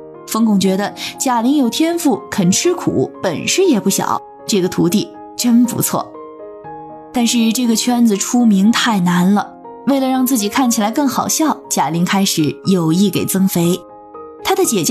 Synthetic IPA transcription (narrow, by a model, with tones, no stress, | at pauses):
fɤ˥ŋkʊ˥˩ŋt͡ɕɥɛ˧˥d̪ə˧t͡ɕja˨˩li˧˥ŋjo˨˩ʊt̪ʰjɛ˥nfu˥˩kʰə˨˩nʈ͡ʂʰɻ̩˥kʰṵ˨˩˦pə˨˩nʂ̩˥jɛ˨˩pu˥˩ɕjɑ̰˨˩˦ʊ | ʈ͡ʂɤ˥˩ɡə˩t̪ʰu˧˥t̪i˥˩ | ʈ͡ʂə˥npṵ˧˥t͡sʰwɔ̰˥˩ | t̪a˥˧nʂɻ̩˥˧ʈ͡ʂɤ˥˩ɡə˩t͡ɕʰɥɛ˥nd͡zɹ̩˨ʈ͡ʂʰu˥mi˧˥ŋt̪ʰa˥˩ɪna˧˥nlə˧ | we˥˩ɪlə˩ɻɑ˥˧ŋt͡sɹ̩˥˩t͡ɕi˨˩kʰa˥˩nt͡ɕʰi˨˩la˧˥ɪkɤ˥˩ŋxɑ˨˩ʊɕjɑ˥˩ʊt͡ɕja˨˩li˧˥ŋkʰa˥ɪʂɻ̩˨˩˥jo˨˩ʊi˥˩ke˨˩ɪt͡sɤ˥ŋfe˧˥ɪ | t̪ʰa˥d̪ə˨t͡ɕjɛ˨˩t͡ɕ